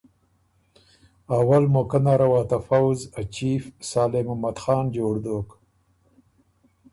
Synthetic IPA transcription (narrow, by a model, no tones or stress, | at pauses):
awalmokanaɾawɑːt̪afawzat͡ʃifsaːlɪmamad̪xɑːnd͡ʒoːɽd̪oːk